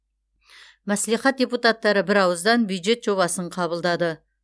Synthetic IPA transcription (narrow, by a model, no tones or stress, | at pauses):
mæsliχɑt̪̚d̪ʲeput̪at̪ːɑɾəbɪɾɑwəzd̪ɑnbjujd̪ʒe̞t̪ʒ̥o̞βɑsəɴqʰɑβəlˠd̪ɑd̪ə